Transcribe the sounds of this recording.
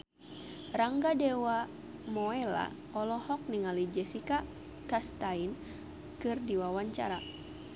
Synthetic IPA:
raŋɡadɛwa | mɔɛla̰ | ɔlɔhɔk̚niŋalid͡ʒɛsika | kast̪ain | kɨrdiwawaɲt͡ʃa̰ɾa

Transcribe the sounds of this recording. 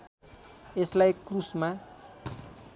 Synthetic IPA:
eslajkrusma

